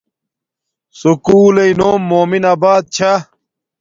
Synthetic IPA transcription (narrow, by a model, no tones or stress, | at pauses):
sukuːlɐinoːmːoːminaːbaːd̪̚t͡ɕʰa